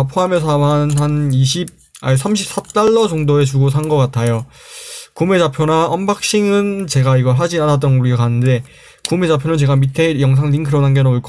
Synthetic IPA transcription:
pʰoɦames̬ʰamanhaniɕʰib̚ | aesʰamɕʰip̚s͈at͈aɭːʌd͡ʑʌŋdoe̞t͡ɕuɡosʰanɡʌk͈atʰajo | kumued͡ʑapʰjonaʔʌmbak̚ɕ͈iŋɯnt͡ɕe̞ɡaiɡʌɭɦad͡ʑianat͈ʌnɡuɾiɡokanɯnde̞ | kumet͡ɕapʰjonɯnt͡ɕe̞ɡamitʰe̞jʌŋs̬ʰaŋɾiŋkʰɯɾʌnanɡenʌuɭk͈ʰ

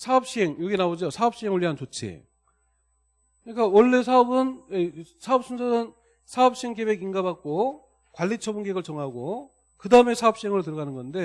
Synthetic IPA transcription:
sʰaʌp̚ɕ͈iɦe̞ŋjoɡinaod͡ʑosʰaʌp̚ɕ͈iɦeŋoɭːiɦant͡ɕot͡ɕʰḛ | kɯɲik͈awʌɭːe̞sʰaʌbɯnesʰaʌp̚s͈ʰunsʰʌnɯn | sʰaʌp̚ɕ͈ieŋke̞be̞ɡiŋɡabak̚k͈o | kwaʎːit͡ɕʰʌbunɡeɡɯɭt͡ɕʌŋɦaɡo | kɯdaɯme̞sʰaʌp̚ɕ͈iɦeŋɯɭot̬ɯɾʌɣanɯnɡʌnde̞

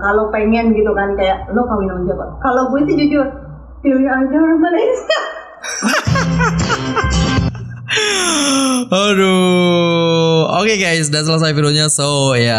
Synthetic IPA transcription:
kalopeŋɛnɡit̪ukankajaʔnʊkaminaməd͡ʒiapakalobuit̪id͡ʒud͡ʒu | t̪iwaɡarmalesia | odo | okeɡajs̬dasəlas̬ajfideoɲasoja

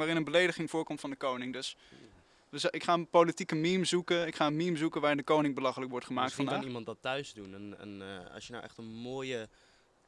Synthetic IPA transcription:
ʋaːrɪnənbəlejdəχɪŋvʊːɹkɔmtfɑndəkownɪŋdɵs | əzʔɪkχaːənpowlitikəmimzukəɪkχaːənmimzukənʋaːɪndəkownɪŋbəlɑχələkʋɔɹtχəmaːktfɑndimɑntdɑtːœɥzdunənə̰nɑ̰sjəna̰wʔɛ̰χtənmoːjə

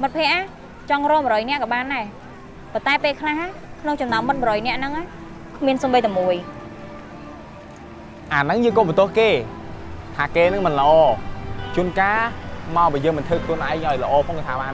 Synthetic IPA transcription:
mɨt̪̚pʰɛ̆əʔa | t͡ɕɑŋrɔəmɾɔːjnɛ̆ʔkɑːɓaːnːaɛ | pont̪aɛpeːlkʰlahɦakʰnoŋt͡ɕɑmnaəmːɨt̪̚mɔɾɔːjnɛ̆əʔnɨŋa | kʰmiənsoːmɓəjt̪ʰɔmuəj | ʔaːnɨŋjɨːŋkomɔt̪ʊ̆əhkeː | t̪ʰaːkeːnɨŋmɨnlə̆ʔɑːt͡ɕuənkaːmaɔɓiːəjəːŋmɨnt̪ʰɨːkʰluənʔaɛŋʔaɔjlə̆ʔɑːpʰoŋst̪ʰaːɓaːn

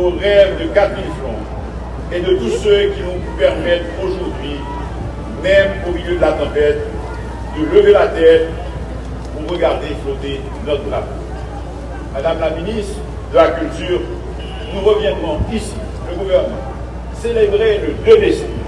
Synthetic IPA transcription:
oʁɛvd̪əkat̪visɔ̃ | ed̪ət̪usøkʲivɔ̃upɛʁmɛt̪χoʒuʁd̪ɥi | mɛmomiljød̪əlat̪ɑ̃pɛt̪̚ | d̪ələvelat̪ɛt̪̚ | puʁəɡaʁd̪efõt̪e | nɔt̪d̪lapo | mad̪amlaminist̪χ | d̪əlakʲylt̪yʁ | nuʁəvjɛ̃d̪ʁɔ̃isi̥ | ləɡuvɛʁnmɑ̰̃ | selebʁeləd̪ed̪esɛ

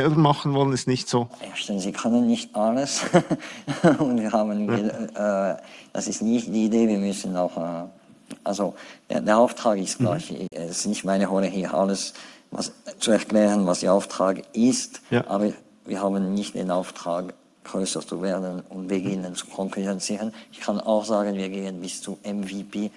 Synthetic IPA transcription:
ɛlbəmɑχn̩vɔlənɛsnɪçtz̥oːaʃtɛzikʰœnənːɪçtʔaləs | ʊntv̥iːɐhaːbənə | d̥a̰sɪstnɪçtd̥iːdeːviːɐmʏsən̩aʊxɛːʔalzo̰deːɐaʊftʁ̥aːkɪstɡ̥la̰çɛsɪ̥snɪçtmaɪnəɦɔləɦiːʔa̰ləsva̰st͡suɛɐklɛːʁənvasd̥eːɐaʊftʁ̥aːkʔɪstʔaːbɐ | viːɐɦaːbnːɪçt̚d̥ḛːnaʊftʁ̥aːk | ɡ̥ʁøːsət͡suveːɐdənʊntb̥əɡɪnənt͡su̥kʰɔŋkyʁɛnt͡siːʁənɪçkʰana̰ʊxz̥aːɡənviːɐɡeːənbɪst͡suʔɛmvipeː

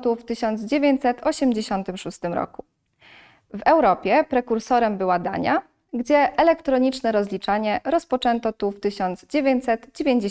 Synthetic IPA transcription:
t̪uft̪ɘɕɔnd̪zd͡ʑevʲjeɲt͡ɕsɛt̪ʰɔɕɛmd͡ʑeɕɔnt̪ɘmʂust̪ɘmɾɔ̰ku | vɛwɾɔpʲjɛpɾɛkuɾsɔɾɛmbɘwad̪a̰ɲa | ɡd͡ʑɛʔɛlɛkt̪ɾɔɲit͡ʂnɛɾɔzlʲit͡ʂaɲɛɾɔspɔt͡ʂɛnt̪ɔt̪uft̪ɘɕɔnd̪zd͡ʑevʲjeɲt͡ɕʲsɛd̪d͡ʑevʲjeɲd͡ʑe

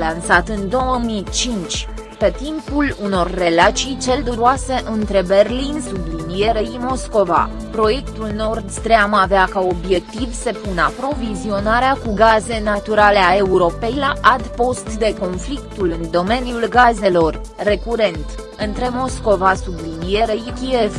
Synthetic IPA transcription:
lansat̪ɨnd̪o̞wəmit͡ʃint͡ʃʲ | pe̞t̪impuluno̞rːe̞lat͡ʃijt͡ʃe̞ld̪uɾoase̞ʔɨnt̪ɾe̞be̞rlinsublinije̞ɾeimo̞sko̞va̰ | pɾo̞je̞kt̪ulno̞rd̪st̪ɾeamaveakao̞bje̞k̚t̪ivse̞puna̰pɾo̞vizio̞naɾeakuɡaze̞nat̪uɾaleae̞uɾo̞pe̞jlaʔad̪po̞st̪d̪e̞ko̞nflikt̪ulɨnd̪o̞me̞niulɡaze̞lo̞rː | e̞kuɾe̞nt̪ | ɨnt̪ɾe̞mo̞sko̞vasublinije̞ɾejikief

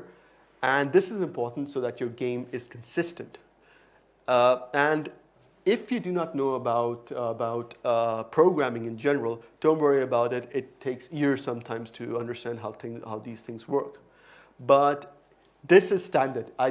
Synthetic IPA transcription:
ə̃nðɪsɨzɨ̃mpʰɔɹtn̩tsoʊðæt͡ʃjə˞ɡẽɪ̃mɪz̥kʰn̩sɪstɨ̃nt | ɨ̃n | ɪfjɨdɨnətⁿnoʊəbaʊtəbaʊtpʰɹ̥oʊɡɹæ̃mɪ̃ŋɨ̃nd͡ʒɛnəɹəl̩ˠd̥õʊ̃ntwʌɹiɨbaʊɾɪtɪtʰːeɪksiɹsʌ̃mtʰãɪ̃mz̥tʰɨʌ̃ndə˞stæ̃ndɦaʊθɪ̃haʊðiːz̥θɪ̃ŋzwɜ˞k | bʌt | ðɪsɨz̥stæ̃ndə˞daɪ

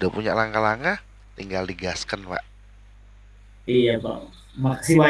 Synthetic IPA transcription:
udapuɲa̰ʔlaŋkalaŋka | t̪iŋɡaldiɡaskənpa̰ʔ | ijapa̰ | maʔsiwa

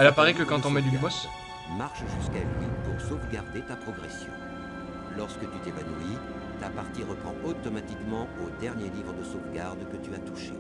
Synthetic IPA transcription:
ɛlapaʁɛkəkɑ̃t̪ɔ̃mɛd̪ynbɔs | maʁʃʒyskalɥipuʁsovɡaʁd̪et̪apχɔɡʁɛsjɔ̰̃ | lɔʁskət̪yt̪evanui | t̪apaʁt̪iʁəpχɑ̃ɔt̪ɔmat̪ikmɑ̃od̪ɛʁnjelivʁəd̪əsovɡaʁd̪kət̪yat̪uʃe

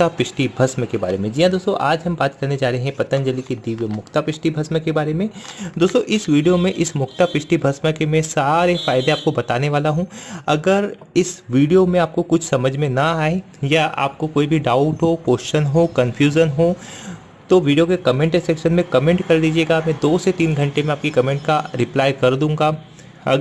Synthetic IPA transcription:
t̪apɪʃʈibʱɐsmə̃keba̰ːɾemẽd͡ʒiːãd̪oːst̪o̰ʔaːd͡ʒɦɐ̃mbaːt̪kɐɾned͡ʒaːɾəɦeɦɛ̃pɐt̪ə̃nd͡ʒəlikid̪iːʋjəmʊxt̪apɪʃʈibʱɐsmẽkebaːɾemẽd̪oːst̪oʔɪsʋiːɖijomẽʔɪsmʊxt̪apɪʃʈibʱɐsmẽkemɛ̃ːsaːɾefaːɪd̪eaːp̚kobɐt̪aːneʋaːlaɦũɐɡəɾ | ɪsʋiːɖijomẽaːp̚kokʊt͡ʃʰsɐməd͡ʒʱmẽnɐaːe | jaa̰ːp̚kokoːibʱiɖaːʊʈɦopoːsʃənɦoːkɐ̃nfʰjuːʒənɦoː | t̪oʋiːɖijokekɐmẽːɳʈesɛkʃənmẽkɐmẽːɳʈkɐɾliːd͡ʒieːɡamɛ̃ːd̪oːset̪iːnɡʱɐ̃ɳʈemẽaːp̚kikɐmẽːɳʈ̚kaɾɪplaːjkɐɾd̪ũːŋɡaː | ɐ̰

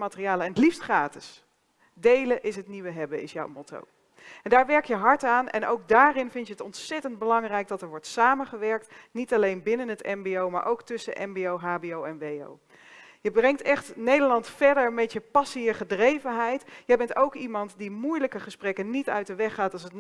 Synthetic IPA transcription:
maːtəriaːlˠəɛnətlifstχraːtɪs | dejləʔɪsɦətniʋəɦɛbəɪ̰sja̰wmoto̰w | ɛndaːɹʋɛɹk̚jəɦɑɹtaːnɛ̰nowk̚daːɾɪnvɪntjəɦətɔntsɛtənd̚bəlɑŋrɛjk̚dɑtɛɹʋɔɹtsaːmənχəʋɛɹk̚tnitɑlejnbɪnənətɛ̰mbiowma̰ːɹʔowktʏsənʔɛ̰mbiowɦaːbiowɛnʋejo̰w | jəbrɛŋtɛχtnejdəɹlɑntfɛɹdəɹmɛtjəpɑsijəχədrejvənɦɛjtjəjbɛntowkimɑntdimujləkəχəsprɛkənnitœ̰ɥt̚dəʋɛχaːtɑlˠsət

